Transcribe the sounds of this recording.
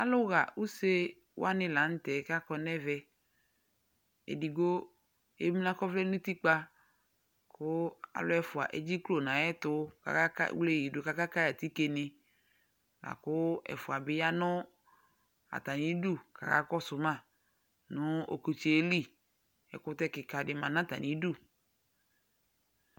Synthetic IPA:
a˦lʊ˦ɣa˨u˦se˦ | w̰a˦nɪ̃˦la˨˦n̩˦tɛ˨˦ka˦kɔ˦nɛ˦vɛ˦ | ḛ˨di˨ɡo˦ | ḛ˦mi˦nã˦kɔ˦vlɛ˦nʊ̃˦ti˦k͡pa˦ | kʊ˦a̰˨lʊ˦ɛ˦fʊ˨a̰˨ʔɛ˦d͡ʒi˦klo˦˨nã˨ɛ˦tʊ˦ka̰˨ka˦ka̰˦wle˦˨i˨dʊ˨ka˦ka˦ka˦ja˨ti˦ke˨nɪ˦˨ | la̰˨kʊ˦ɛ̰˨fʊ˨a˨bɪ˦ja˦nʊ̃˦ | a̰˨ta˨nĩ˨˦du˦˨ka̰˨ka̰˦kɔ˦sʊ˨mã˦˨ | nʊ̃˦o̰˨ko˨t͡ʃe˨e˦li˦˨ | ɛ̰˨kʊ˦tɛ˦kɪ˨ka˨dɪ˨mã˨nã˦ta̰˨nĩ˨˦du˦˨

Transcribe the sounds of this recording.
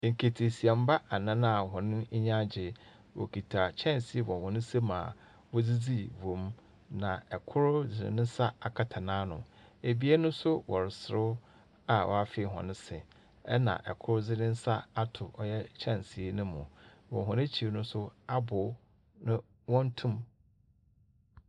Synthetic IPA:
ŋ̩˨kʰe˨tʰi˨si˨a˨m˦ba˦a˨nã˦nã˦a˨ɦɔ̃˨nɪ̃˦ɲã˦d͡ʑɪ˨ | wɔ̰˨kʰi˨tʰa˨t͡ɕʰɛ̃˦˨nsi˨˦e˦wɔ̃˨hɔ̃˨nɪ̃˦se˦mã̰ː˨ | wɔ˦d͡zi˦d͡zi˦võ˨m | nã˨ɛ˨kʰʊ˦ɾʊ˦d͡zɪ˨nɪ̰̃˨nɪ̃˦sa˦a˨kʰa˨tʰa˨nãː˦nʊ̰̃˨e˨bi˦e˦nʊ̃˦sʊ˦wɔ˨ɾɪ˨sɪ˨ɾʊ˦ | a˨wʔɔ̰˨a˦˨fɪ˦˨ɦɔ̰̃˨nɪ̃˦sɪ˨ | ɛ˦nã̰˨ʔɛ̰˨kʰʊ˦ɾʊ˦d͡zɪ˦nɪ̃˦n˦sa˦a˦tʰʊ˨ʔɔ˨jɛ˦t͡ɕʰɛ̃˦˨nsi˨e˦nʊ̃˦mʊ̰̃˨wɔ̰̃˨ɦɔ̃˨nẽ˦t͡ɕʰi˨ɾnʊ̃˦sʊ˦a˦bʊ˨ | nʊ̃˦ | wɔ̃˦n˦tʰũ˦m

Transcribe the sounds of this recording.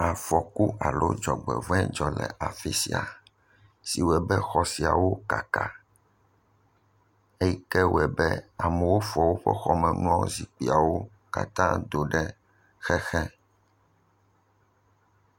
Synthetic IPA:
a˨fɔ˨ku˦a˨lo˦d͡ʒɔ˨ɡ͡bɛ̰˨vɛ̃˦d͡ʒɔ˨lɛ̰˨ʔa˨fi˦sḭ˨a̰˨ | si˨wɛ˨bɛ˦xɔ˨si˨a˨wo˦ka˨ka˦ | e˦ji˦kɛ˦wɛ˨bɛ˦a˨mɛ˨wo˦fɔ˨wo˦ɸɛ̰˦xɔ˦mɛ̃˨ŋlɔ̃˦zi˨k͡pi˨a˨wo˦ | ka̰˨t̪ã˦d̪o˨ɖɛ˦ | xɛ˦xɛ˦

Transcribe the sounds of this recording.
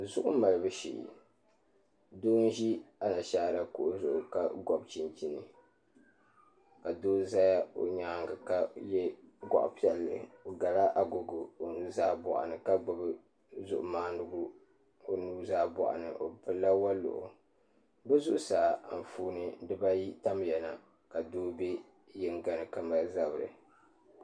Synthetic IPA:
zʊ˦ʔʊ̰˦ma˨lɨ˨bɨ˦ʃḭ˨ | doː˦n̩˦ʒi˦a˦na˨ʃaː˦˨la˦˨kʊ˦ʔʊ˦zʊ˨ʔʊ˨ka˦˨ɡɔ˨bt͡ʃi˨nt͡ʃi˦nɨ˨ | ka˨doː˦za˦ja˦o̰˨ɲaː˦ŋɡa˨ka˨jɛ˦ɡa̰˨ʔʊ̰˨pi˦ɛ˨lːɨ̰˨o˨ɡa˨la˦ʔa˨ɡo˨ɡʊ˨o˨nu˦zaː˦bɔ̰˨ʔa̰˨nɨ˨ka˦ɡ͡bɔ˨bɨ˦ | zʊ̰˨ʔʊ˨maː˦nɨ˨ɡʊ˦ | o˨nuː˦zaː˦bɔ̰˨ʔa̰˨nɨ̰˨ʔo˨pɨ˨lːa˦wa˦lʊ̰˨ʔʊ̰˨ | bɛ˦zʊ˨ʔʊ˨saː˨m̩˨fuː˦nɨ˦dɨ˦ba˦ji˦ta˦m˨jɛ˨na˨ | ka˨doː˦be˦ | jɛ˦ŋ˦ɡa˨nɨ˨ka˦ma˨za˦bɨ˨ɾɨ̰˨

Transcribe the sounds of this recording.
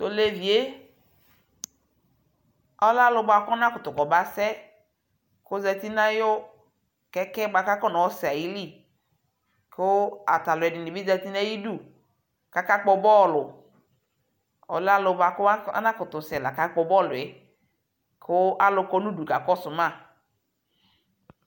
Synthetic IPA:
to˨le˨vi˨e˦ | ɔ˦la˦lʊ˨ba˨kʊ˦a˦nã˦kʊ˨t̪ʊ˨kɔ˨ba˦sɛ˦ | kʊ˦zɛ˨t̪i˦nã˦jo˦ | kɛ˦kɛ˦ɡ͡ba˨ka˦kɔ˦nɔ˨ɔ˦sɛ˨a˨ji˦li˦˨ | kʊ˦a̰˨t̪a˨lʊ˨ɛ˨dɪ˨nɪ˨bi˦za˦t̪i˦nã˦ji˦du˦˨ | ka˦ka˦k͡pɔ˨bɔ˦˨lʊ˨ | ɔ̰˨la˦lʊ˨ba˨kʊ˦a˦a̰˦nã˦kʊ˨t̪ʊ˨sɛ˨la˨ka˦k͡pɔ˨bɔ˦˨lʊ˨ɛ˨ | kʰʊ˦a˦lʊ˨kɔ˦nũ˦du˨ka˨kɔ˦sʊ˨mã˦˨

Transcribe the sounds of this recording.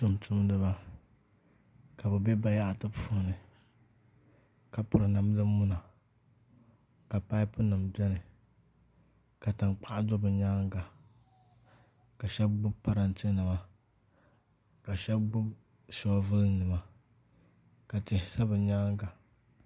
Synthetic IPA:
tʊ˦mtʊ˦mnɨ˦ba˦ | ka˨bɛ˨be˦ba˨ja˦ʔa˨tɨ˦bfʊ˨nɨ˨ | ka˨pʊ˨ɾɨ˨na˨m˦dɨ˦mʊ˦na˨ | ka˨pa˦ɪ˦pʊ˦nɨ˨mbɛ˦nɨ˨ | ka˨tɨ˨nk͡pa˦ʔa˦dʊ˦bɨ˨ɲaː˦ŋ˦ɡa˨ | ka˨ʃɛ˦b̚ɡ͡bʊ˦bpa˦ɾa˨n˨tɨ˦nɨ˨ma˦ | ka˨ʃɛ˦bɡ͡bʊ˦b | sɔ˦vɨ˦lnɨ˨ma˦ | ka˨tɪ˨hɪ˨sa˦bɨ˨ɲaː˦ŋ˦ɡa˨

